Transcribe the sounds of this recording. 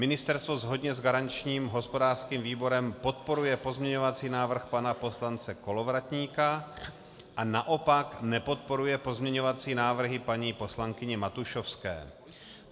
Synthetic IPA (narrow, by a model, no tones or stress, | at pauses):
mɪnɪst̪ɛɾst̪vo̞zɦo̞dɲɛzɡaɾant͡ʃɲiːmɦo̞spo̞daːrskiːmviːbo̞ɾɛmpo̞t̪̚po̞ɾujɛpo̞zmɲɛɲo̞vat͡siːnaːvr̩xpanapo̞slant͡sɛko̞lo̞vɾat̪ɲiːka | ʔanaʔo̞paknɛpo̞t̪̚po̞ɾujɛpo̞zmɲɛɲo̞vat͡siːnaːvr̩ɦɪpaɲiːpo̞slaŋkɪɲɛmat̪uʃofskɛ̰ː